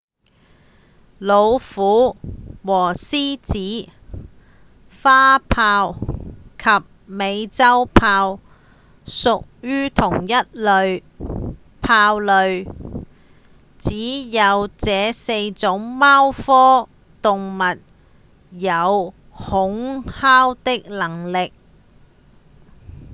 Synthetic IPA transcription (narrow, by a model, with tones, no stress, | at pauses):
lo˨˧wfuː˨˥wɔː˨˩siː˥t͡siː˨˥ | faː˥pʰaː˧wkʰɐ˨p̚me˨˧jt͡sɐ˥wpʰaː˧w | sʊ˨k̚jyː˥t̪ʰʊ˨˩ŋjɐ˥t̚lɵ˨˧ɥ | pʰaː˧wlɵ˨˧ɥ | t͡siː˨˥jɐ˨˧wt͡sɛː˨˧se˧jt͡sʊ˨˥ŋmaː˥wfɔː˥ | t̪ʊ˨ŋmɐ˨t̚ | jɐ˨˧w | hʊ˨˥ŋhaː˥wt̪ɪ˥k̚lɐ˨˩ŋlɪ˨k̚